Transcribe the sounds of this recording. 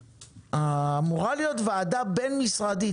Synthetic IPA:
aːmuʁalijotveadabe̞nmisʁad̪i

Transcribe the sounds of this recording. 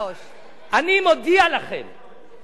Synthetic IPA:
ʔanimod̪ialaχe̞̰m

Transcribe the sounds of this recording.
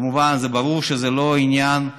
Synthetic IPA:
muvanzebaɾuɾʃezelo̞injan

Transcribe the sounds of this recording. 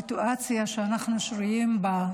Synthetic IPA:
ituʔat͡sjaʃeanaχnuʃʁujimba

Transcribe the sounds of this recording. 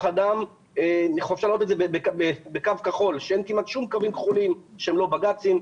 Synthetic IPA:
χad̪am | eniχovʃalaʁotedzebebebekavkaχo̞lʃeenkimat̪ʃumkavimkχulimʃeemlo̞baɡat͡sim

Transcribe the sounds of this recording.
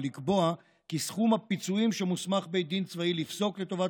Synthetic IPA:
likbo̞a | kisχumhapit͡suimʃemusmaχbejd̪int͡svailifso̞kle̞t̪o̞va

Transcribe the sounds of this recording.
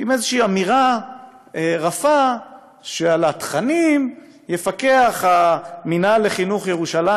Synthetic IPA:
imezeʃiiːamiʁa | eʁafa | ʃealat̪χanim | jefake̞aχaminale̞χinuχjeʁuʃala

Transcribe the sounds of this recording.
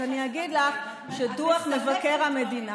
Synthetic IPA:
aniaɡid̪laχ | ʃeduaχme̞vake̞ʁhame̞dina

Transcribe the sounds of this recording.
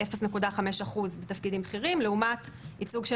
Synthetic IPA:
efesnekudaχame̞ʃaχuzbet̪afkidimbχiʁimleumatit͡suɡʃe

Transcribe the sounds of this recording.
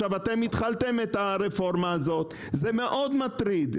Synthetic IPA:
avat̪e̞mit̪χalt̪emet̪aʁefo̞ʁmaːzo̞t̪ | zeme̞ʔo̞d̪mat̪ʁid̪

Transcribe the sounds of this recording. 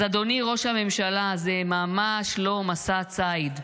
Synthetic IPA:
ad̪o̞niʁo̞ʃhame̞mʃalazemamaʃlo̞masat͡said̪

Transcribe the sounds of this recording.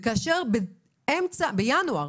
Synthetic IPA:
kaʃeʁbe | emt͡sabejanuaʁ

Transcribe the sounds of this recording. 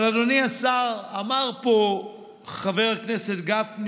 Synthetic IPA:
ladoniasaʁamaʁpo | χaveʁakneset̪ɡafn

